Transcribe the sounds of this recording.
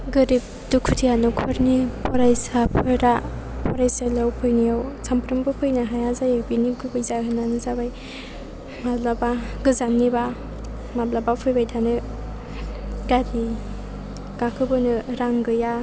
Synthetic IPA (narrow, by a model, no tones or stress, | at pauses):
ɡɯɾip̚ | dukʰutʰijanɯkʰɔɾnipʰɔɾajsapʰɯɾappʰɔɾajsalawpʰɯjnijawsampʰɾɯmbɯpʰɯjnaɦajazajabinikʰɯbajzaɦʰɯnanɯzabaj | mablabaɡɯzamnːiba | mablabapʰɯjbajtʰanɯ | ɡadi | ɡakʰɯbɯnɯɾaŋɡɯja